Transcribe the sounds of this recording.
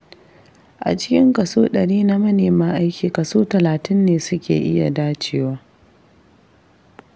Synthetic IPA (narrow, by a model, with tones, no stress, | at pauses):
ʔa̰˨t͡ʃɪ˦kʲɪ˦ŋkɐ˨soː˦ɗɐ˨ɽiː˦na˦mɐ˦neː˨maː˦ʔa˦jkʲiː˨kɐ˨soː˦tɐ˨laː˨tɪ˦nːeː˨sʊ˦kʲḛː˨ʔɪ˦ja̰˨daː˦t͡ʃeː˦waː˦